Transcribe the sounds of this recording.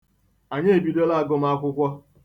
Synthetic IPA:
a˨ɲe˦˨bi˨do˦la˦a˨ɡɔ˦m̩˦a˦kʷʊ˦kʷɔ˦

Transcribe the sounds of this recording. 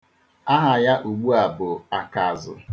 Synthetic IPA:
a˦ɦa˨ja˦ʔu˨ɡ͡bu˦a˨bʊ˨a˨ka˨zʊ̰˨

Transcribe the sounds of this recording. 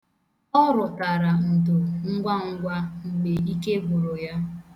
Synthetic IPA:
ɔ˦ɾʊ˨ta˨ɾa˨n̩˨dʊ˨ŋ̩˦ɡʷa˦ŋ̩˦ɡʷa˦ŋ͡m̩˨ɡ͡be˨i˦ke˦bʊ˨ɾʊ˨ja˦

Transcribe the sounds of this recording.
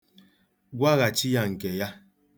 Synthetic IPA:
ɡʷa˦ɣa˨t͡ʃi˦ja˦ŋ̩˨ke˨ja˦

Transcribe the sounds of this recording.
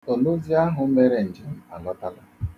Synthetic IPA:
o˨lo˦zi˦a˦ɦʊ˨m̩˦me˦ɾe˨n̩˨d͡ʒɪ˦˨m̩˦a˨lɔ˦ta˦la̰˦˨

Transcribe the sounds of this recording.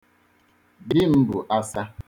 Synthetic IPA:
dɪ˦m̩˦bʊ˨ʔa˦sa˦

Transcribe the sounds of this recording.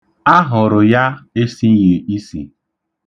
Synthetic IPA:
a˦ɦʊ˨ɾʊ˨ja˦e˦si˦je˨i˦sḭ˨

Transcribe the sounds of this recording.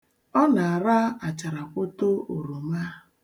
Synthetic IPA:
ɔ˦na˨a˨ɾa˦a˨t͡ʃa˨ɾa˨kʷʊ˦to˦o˨ɾu˨ma˦

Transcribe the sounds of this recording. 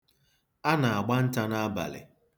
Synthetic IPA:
a˦na˨a˨ɡ͡ba˦n̩˦ta˦na˦a˦ba̰˨lɪ̰˨

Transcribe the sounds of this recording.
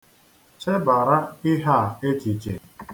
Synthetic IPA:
t͡ʃe˦ba˨ɾa˦ɪ˦ɦa˦˨e˦t͡ʃi˨t͡ʃḛ˨

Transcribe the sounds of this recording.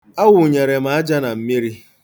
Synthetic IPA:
a˦wʊ˨ɲe˨ɾe˨ma˨a˦d͡ʒa˦na˨m̩˦mi˦ɾi˦

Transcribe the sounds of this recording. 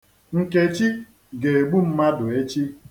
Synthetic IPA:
ŋ̩˨ke˨t͡ʃi˦ | ɡe˨e˨ɡ͡bu˦m̩˦ma˦dʊ˨e˦t͡ʃi˦

